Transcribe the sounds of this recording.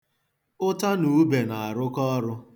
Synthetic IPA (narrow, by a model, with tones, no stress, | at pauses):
ʊ˦ta˦nu˨˦be˨na˨a˨ɾʊ˦kɔ˦ɾʊ˦